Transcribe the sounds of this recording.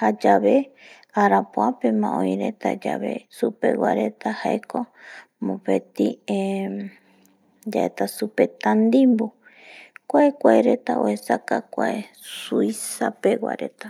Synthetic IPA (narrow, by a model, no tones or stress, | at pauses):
had͡ʒaβe̞ | aɾapoapemãʔõjɾet̪ad͡ʒa̰βe̞̰supḛwa̰ɾe̞t̪ahaekʰomõpet̪i | d͡ʒaʔet̪asupe̞t̪and̪imbu | kʷaekʷaeɾe̞t̪ao̰hesakakʷae | suisapewa̰ɾet̪a